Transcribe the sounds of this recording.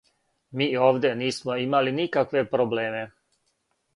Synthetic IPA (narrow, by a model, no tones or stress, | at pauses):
miːo̞ːʋd̪ʲeniːsmoimalinikakʋe̞pɾobleːme̞